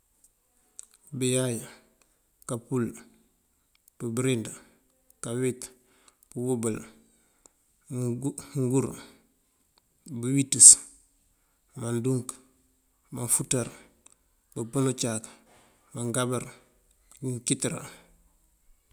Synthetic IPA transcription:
bəjaj | kapul | b̥əbɾind | kawit | b̥əwobəl | ŋɡuɾ | bəwitus | manduŋk | manfutaɾ | bəpənut͡ʃak | maŋɡabaɾ | ɡiŋkitɾa̰

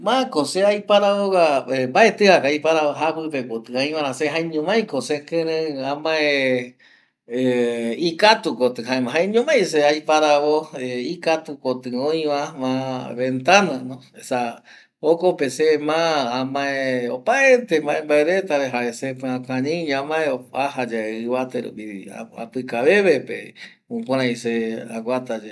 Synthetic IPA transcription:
mãkoseajpaɾaokaembaet̪ɨakaipaɾaoɦapɨpekot̪ɨãj̃βãɾãseɦãeɲõmãjkosekẽɾẽamãẽ | ikat̪ukot̪ɨ̃ɦãẽmãɦãẽɲõmãjseajpaɾaβoeikat̪ukot̪ɨ̃õĩβamãβent̪anãnõ | esa | okopesemãamãeopaent̪emãẽmbaeɾet̪aβeɦaesepɨãkãɲĩɲãmãeoahad͡ʒaɨβat̪eɾṵpḭa̰pɨkaβeβepḛ | ũkʷaɾ̃ãjseaɡʷat̪ad͡ʒe

